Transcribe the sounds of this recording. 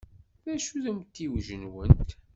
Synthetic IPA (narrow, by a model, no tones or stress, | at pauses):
ðæʃuðæmt̪ːiwʒənwənt̪